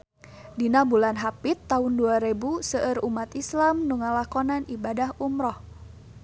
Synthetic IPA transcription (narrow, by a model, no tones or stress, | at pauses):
dinabulanɦapit̪ːaʊnduaɾebusəʔərumat̪islamnuŋalakɔnanʔibadahumɾɔh